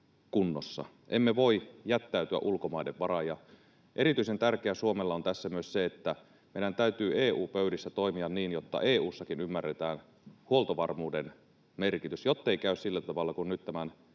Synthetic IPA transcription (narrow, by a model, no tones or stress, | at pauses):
kunːosːɑ̰ | ʔemːeʋo̞ijæt̪ːæyt̪yæ̰ʔulkomɑideʋʋɑrɑjɑ | ʔe̞ɾit̪yisent̪ærkeæsuomelːɑont̪æsːæmyøsseet̪ːæ | meˑidænt̪æyt̪yːeːuːpøydisːæt̪oimiɑnniːnjot̪ːɑ̰ʔeːuːsːɑkinymːærːet̪æːn | huolt̪oʋɑrmuːden | merkit̪ysjot̪ːeikæyssilːæt̪ɑʋɑlːɑkunnyt̪t̪æmæn